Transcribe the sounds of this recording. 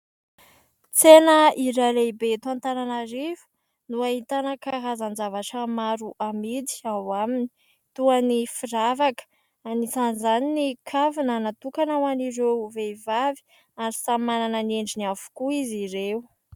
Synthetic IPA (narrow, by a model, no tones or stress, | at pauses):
t͡senəiɾaleibet̪ant̪aɾanaɾivu̥ | nuaɦit̪anəkaɦazand͡zavaʈ͡ʂəmaɾuʔamid̪i̥awamini̥ | t̪uanifiɾavakə̥ | anizanzaninikʰavinanat̪ukanawaniɾewveivavi̥ | aɾisamananəneɳɖ͡ʐiniavu̥kuiziɾeu